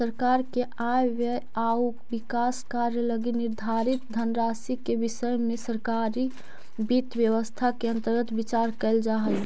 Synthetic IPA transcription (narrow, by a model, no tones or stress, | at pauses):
səɾkaɾkeʔajʋə | au | bikaskaɾjələɡiniɾd̪ʱaɾit̪̚d̪ʱənɾasikebisəjmesəɾkaɾi | bit̪ʋjəʋəst̪ʰakeə̃nt̪əɾɡət̪bit͡ʃaɾkɛɪld͡ʒaɦəl